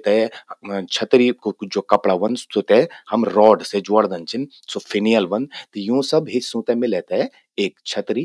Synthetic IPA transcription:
t̪aɦɛt͡ʃʰɐt̪ɾid͡ʒokɐpɽaʋɐnot̪ehɐmɾɔːɖsed͡ʒoːɽd̪ɐnt͡ʃʰin | sopʰɪnijəlʋɐnt̪jũsɐbɦɪsũːt̪emɪ̃let̪aɛ | eːkt͡ʃʰɐt̪ɾi

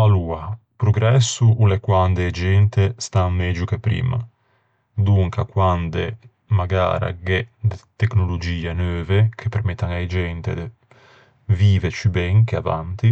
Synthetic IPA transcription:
alua | pɾoɡɾɛsːuulekwand̪eːd͡ʒɛnt̪est̪aŋmɛd͡ʒukepɾḭːma̰ | d̪uŋkakwand̪e | maɡa̰ːɾa̰ɡɛd̪et̪eknolod͡ʒiːanøːvekʰepːeɾmɛt̪ːaŋajd͡ʒɛnt̪ḛd̪e | viːvet͡ʃibɛŋkea̰va̰nt̪i

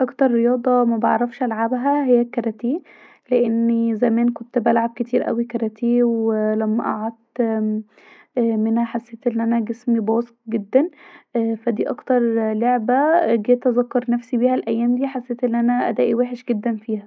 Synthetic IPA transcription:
ʔɑkt̪ɑɾˤːejɑːd̪ˤɑmæbɑɑʕɾˤɑfʃʔælʕabɦæhejːækːɑɾˤæt̪iː | leʔenːizæmæːnkont̪bælʕab̚ket̪ʰiːɾʔæ̰wikɑɾˤæt̪ʰeːwelæmːæʔɑ̰ʕɑd̪ | menhæħasːeːt̪ʔenːʔænæɡesmibɑːsq̚ɡed̪ːænʔfæd̪iːʔɑkt̪ɑɾˤloʕbæɡeːt̪ʔæzɑkːɑɾˤnæfsibiːhælʔæjːæːmd̪iːħasːeːt̪ʔenːʔænæʔæ̰d̪æːʔiweːħeʃɡed̪ːænfiːhæ

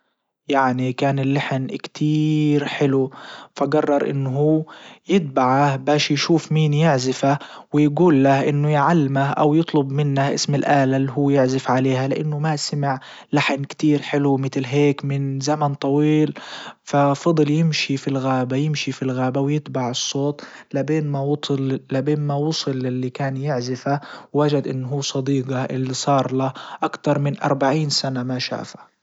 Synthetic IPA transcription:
jaʕnikaːnɪlːaħnkt̪ʰiːɾħɪlufaɡɑrˤːɑɾˤʔɪ̰nːɦuːjɪt̪̚baʕahbaːʃjʃuːfmiːnjɪʕzɪfa | wɪjɡuːlːahʔɪnːʊjʕalːɪmaʔa̰wjɨt̪ˤlʊbmɪnːaʔɪ̰smɪlʔaːlalːiɦuːjɪʕzɪfʕaleːhalɪʔa̰nːʊmasamɪʕ | laħɪnkt̪iːɾħɪlumɪt̪lɦeːkmɪnzamant̪ˤɑwiːlfafɑd̪ˤljɪmʃifilɣaːbajɪmʃifilɣaːbawjɪt̪baʕɨsˤːoːt̪labeːnmawt̪llabeːnmawʊsˤɨlːɪlːikaːnjɪʕzɪfawːad͡ʒad̪ʔɪnːɦuːsˤɑd̪iːɡɑʔɪlːisˤɑːɾˤlaʔakt̪ɑɾˤmɪnʔɑ̰ɾˤbaʕiːnsanamaʃa̰ːfḁ

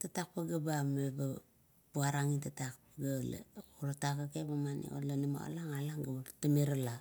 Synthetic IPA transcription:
tatak̚paɡabameba | puaɾaŋitatak̚paɡalḛuɾatakakebamanḭo̰lanimo̰a̰laŋalaŋɡabaɾtameɾala

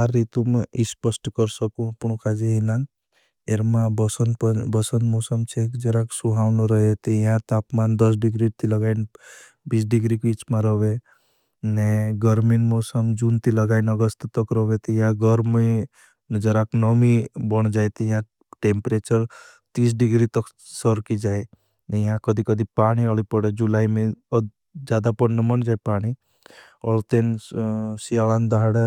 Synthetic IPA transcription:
aɾːit̪umispəsʈkəɾsəkũəpɳokad͡ʒeɦilan | eɾmãbəsənpbəsənmɔsəmt͡ʃʰekd͡ʒəɾaksuɦawnoɾəɦet̪iɦãt̪apmand̪əs̬ɖiɡɾit̪iləɡain | biːsɖiɡɾikit͡ʃmaɾɔbe | neɡəɾminmɔsəmd͡ʒunt̪iləɡainəɡəst̪t̪ɔkɾɔʋet̪ijãɡəɾmi | nd͡ʒəɾaknɔmibəɳ̃d͡ʒajt̪ijã | ʈempɾeːt͡ʃəɾ | t̪is̬ɖiɡɾit̪ɔk | səɾkid͡ʒaːe | njãkəd̪ʱikəd̪ʱipaːɽ̃iɔlipɔɽed͡ʒulaːimẽ | d͡ʒaːd̪apɔnəmənd͡ʒaːjpaːɽ̃i | ɔɭt̪en | sialand̪aɽe

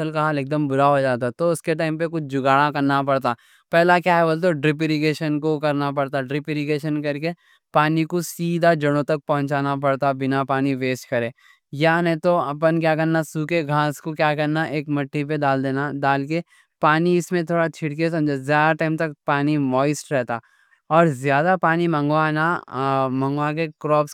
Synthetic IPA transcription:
ɐsəlkaɦaːleːk̚d̪əmbʊɾaɦod͡ʒaːt̪at̪oʊskeʈaːɪmpekʊt͡ʃʰd͡ʒʊɡaːɽãkɐɾnapɐɽt̪aː | pɛːlakjaːɦɛbolt̪̬oɖɾɪp̬ɪɾiɡeːʃənkokɐɾnap̬ɐɽt̪aɖɾɪpɪɾɪɡeːʃənkɐɾke | paːnikosiːd̪ad͡ʒɐɽ̃õt̪ɐk̚pɐɦʊ̃nt͡ʃaːnap̬ɐɽt̪abɪnapaːniʋeːsʈkɐɾẽː | jaːnɐ̃t̪oɐpənkjaːkɐɾnasuːkeɡʱãːskokjaːkɐɾnaʔeːkmɐʈʰːipeɖaːld̪eːnadaːlke | paːniɪsmẽt̪ʰoːɽat͡ʃʰɪɽk̬es̬ɐ̃md͡ʒʱezjaːd̪aʈãːɪmt̪ɐkpaːnimɔːɪsʈɾɛɦt̪aː | ɔːɾzjaːd̪apaːnimɐ̃ŋɡwanamɐ̃ŋɡʋak̬ekɾɔːps

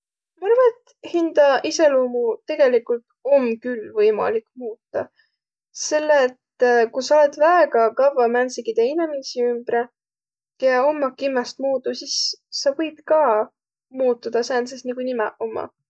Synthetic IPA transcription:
mɑɑrvɑnet̪ | hind̪̥ɑise̞luːmut̪e̞ɡ̥e̞likult̪o̞mkylvɤjmɑ̰likmuːt̪ˑːɑ | se̞lːeːt̪kusɑoled̪væeɡɑkɑvɑmænsiɡid̪einemisiymb̥re | jɑomːɑkimːest̪muːd̪usisːɑvɤjb̥̚kɑː | muːt̪ːˑud̪̥ɑsæːnsesnikunimɛ̰ʔomːɑ̰

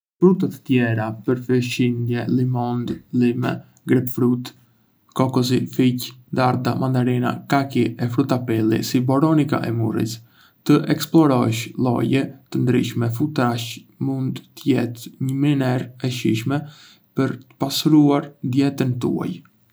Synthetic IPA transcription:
fɾut̪at̪ə̥t̪jɛɾapəɾfəʃind̪jɛlimɔnd̪limɛ̰ | ɡɾɛpfɾut̪ | kɔkɔz̬ificd̪aɾd̪amʔand̪aɾina̰kakiɛfɾut̪apɛlḭsibɔɾɔnika̰ʔɛmurḭs | t̪əʔɛksplɔɾɔʃlˠɔ̰jɛt̪ənd̪ɾḭʃmɛfut̪ɾaʃmund̪t̪əjɛt̪ɲəminɛɾɛʃiʃmɛ | pəɾt̪ə̥pasɾuaɾd̪jɛt̪ənt̪ṵa̰j

